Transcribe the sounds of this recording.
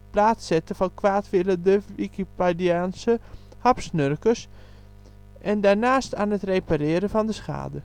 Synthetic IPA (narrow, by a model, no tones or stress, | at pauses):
plaːtsɛtəfɔnkʰʋaːtʋɪlədəʋikipediaːnsə | hɑpsnørkəs | ʔɛndaɹnaːstaːnətrejpaɾɪəɾəfɔndəsxa̰ːdə